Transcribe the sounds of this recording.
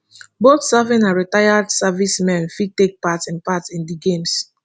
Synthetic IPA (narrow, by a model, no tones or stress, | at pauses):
botsavɛ̃naɹitajadsavismɛ̃nfid̚tek̚patɛ̃npatĩndiɡẽms